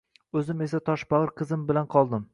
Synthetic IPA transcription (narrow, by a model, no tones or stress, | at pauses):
ɵzɪme̞sat̪ʰɒʃbɒʁɨɾqʰɨzɪmbɪlanqʰɒlˠd̪ɪm